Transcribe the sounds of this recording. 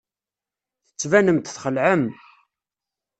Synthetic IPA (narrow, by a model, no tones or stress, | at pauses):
θə̥t͡sːvænəmt̪θχəlʕəm